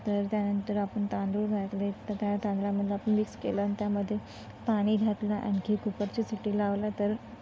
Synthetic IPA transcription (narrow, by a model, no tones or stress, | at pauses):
t̪əɾt̪janənt̪əɾapəɳt̪ãnd̪ɾuɾɡʱat̪let̪əɾt̪jat̪ãnd̪laməd̪ʱːjeapəɳʋikskelant̪jaməd̪ʱːje | paɽ̃iːɡ̪ʱat̪laʔa̰ñkʰiːkupəɾt͡ɕisiʈiːlaʋlat̪əɾ